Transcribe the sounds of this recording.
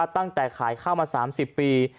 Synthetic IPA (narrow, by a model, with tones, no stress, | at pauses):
t̪a˥˩ŋt͡ɕa˨˩jkʰaː˩˦jkʰaː˥˩wmaː˧saː˩˦msi˨˩pːiː˧